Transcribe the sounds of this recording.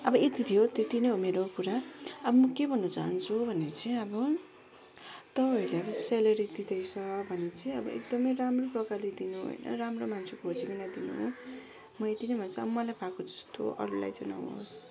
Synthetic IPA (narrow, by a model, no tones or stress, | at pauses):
ʌbʌet̪it̪ʰijot̪et̪inʌjɦomeɾokuɾaʌbʌmʌkebʱʌnːʌt͡sa̰ɦʌnt͡sʰubʱʌneʌt͡sʌĩʌbʌ | t̪ʌpaileʌbʌselʌɾid̪id̪ʌjt͡sʰʌbʱʌnet͡sʌĩʌbʌ̰ʔḛk̚d̪ʌmʌjramroprʌkarled̪inuɦo̰jnʌ̰ramromant͡sʰekʰod͡ziɡinad̪inṵɦ | mʌet̪inʌjbʱʌnet͡sĩʌbʌmʌlajpʰakod͡zʌst̪o̰ʔʌ̰ɾula̰jd͡zʌna̰wɦo̰s